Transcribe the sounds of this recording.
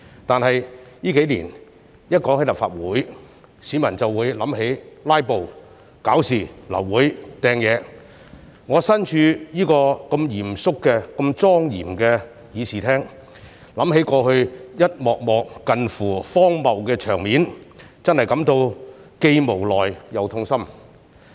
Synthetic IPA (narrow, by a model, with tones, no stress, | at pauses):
t̪aː˨nhɐ˨jjiː˥ke˨˥jliː˨˩n | jɐ˥t̚kɔː˨˥ŋhe˥lɐ˨pfa̰ː˧t̚wuː˨˥j | si˨˥mɐ˨˩nt͡sɐ˨wːuː˨˧jlɐ˨˥mɦe˨˥jlaː˥jpo˨w | kaː˨˥wsiː˨˩lɐ̰˨˩wːuː˨˥jt̪ɛː˨˧ŋjɛː˨˧ | ŋɔː˨˧sɐ˥nt͡ʃʰyː˧jiː˥kɔː˧kɐ˧mjiː˨˩msʊ˥kːɛː˧kɐ˧mt͡sɔː˥ŋjiː˨˩mkɛː˧ | jiː˨˧siː˨˩t̪ʰɛː˥ŋ | lɐ˨˥mɦe˨˥jkɔː˧hɵ˧ɥjɐ˥t̚mɔː˨k̚mɔː˨kːɐ˨nfuː˨˩fɔː˥ŋmɐ˨wkɛː˧t͡ʃʰœː˨˩ŋmiː˨˥n | t͡sɐ˥nhɐ˨˩jkɐ˨˥mt̪o˧wke˧jmo˨˩wlɔː˨jjɐ˨˧wt̪ʰʊ˥ŋsɐ˥m